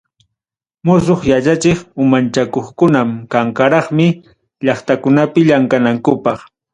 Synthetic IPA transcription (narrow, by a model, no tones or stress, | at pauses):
mʊs̬oχjat͡ʃat͡ʃɪχʊmant͡ʃakoχkʊnamkaŋkaɾɑχmɪ | ʎɑχt̪akʊnapɪʎaŋkanaŋkʊpɑχ